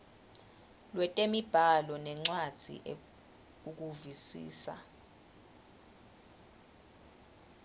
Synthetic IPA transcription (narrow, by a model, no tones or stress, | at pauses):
lwɛtʼemib̥ʱalɔnɛŋ͡ǀwad̥z̥ʱḭʔ | uk̬ʼuvisḭːsa̰